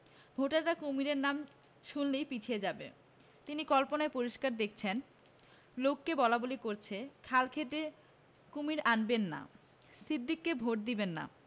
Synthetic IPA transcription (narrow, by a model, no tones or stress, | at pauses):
bʱoʈaʈakumiɾeɾnam | ʃunlejpit͡ɕʰijed͡ʑabḛ | t̪inikɔlponaepoɾiʃkaɾd̪ek̚ʰt͡ɕʰen | lokːebɔlabolikoɾt͡ɕʰekʰalkʰet̪e | kumiɾanbenːa̰ | sid̪ʱːikːebʱoʈ̚d̪ibenːa̰